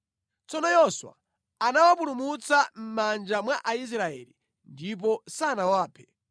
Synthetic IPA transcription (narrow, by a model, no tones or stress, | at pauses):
t͡sɔnɔjɔswa̰ | anawap̬ulumut͡sam̩mand͡ʒamwaʔais̬ɾaɛ̰ːli | ndip̬ɔsanawaːpʰɛ̥